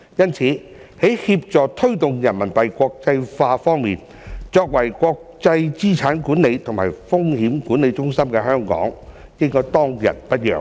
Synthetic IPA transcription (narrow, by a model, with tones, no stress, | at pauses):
jɐ˥nt͡sʰiː˨˥ | he˨˥jhiː˧p̚t͡sɔː˨k̚t̪ʰɵ˥ɥt̪ʊ˨˩ŋjɐ˨˩nmɐ˨˩npɐ˨jkʷɔː˧k̚t͡sɐ˧jfaː˧fɔː˥ŋmiː˨n | t͡sɔː˧k̚wɐ˨˩jkʷɔː˧k̚t͡sɐ˧jt͡siː˥t͡sʰaː˨˥nkuː˨˥nle˨˧jt̪ʰʊ˨˩ŋmaː˨˩jfʊ˥ŋhiː˨˥mkuː˨˥ne˨˧jt͡ʃʊ˥ŋsɐ˥mkɛː˧ɦœː˥ŋkɔ̰ː˨˥ŋ | kɪ˥ŋkɔː˥jt̪ɔː˥ŋjɐ̰˨˩n̚pɐ˥t̚jœ̰ː˨˩